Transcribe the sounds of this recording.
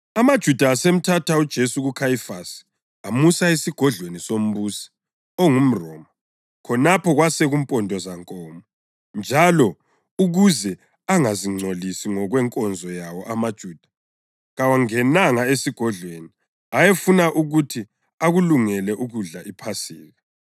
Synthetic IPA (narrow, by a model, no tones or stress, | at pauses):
amad̥ʒ̥ʱud̥ʱaːsem̩tʰatʰaud̥ʒ̥ʱesuɣukʰajifasi̥ | amusaesiɡ̥ʱɔɮwenisom̩βuːsi̥ | oŋum̩rɔ̰ːmɔ | kʰɔnapʰɔɣwasɛɣumpʼɔndʱʼɔzaŋkʼɔːmɔ | nd͡ʒʱalɔ | uɣuzɛ | aŋaziŋ͡ǀʱolisiŋɔɣwɛŋkʼɔnd͡zʱɔjawɔʔamad̥ʒ̥ʱuːd̥ʱḁ | ɣawaŋɛnaŋaesiɡ̥ʱɔɮweni | ajefunaʔuɣutʰi | aɣuluŋɛlɛʔuɣuɮaʔipʰasiːɣa